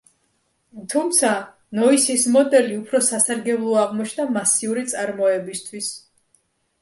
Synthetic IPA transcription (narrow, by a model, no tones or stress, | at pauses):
t̪ʰumt̪sʰa | nɔisismɔd̪ɛliupʰɾɔsasaɾɡɛblˠɔaʁmɔt͡ʃʰnamasiuɾit̪sʼaɾmɔɛbist̪ʰwis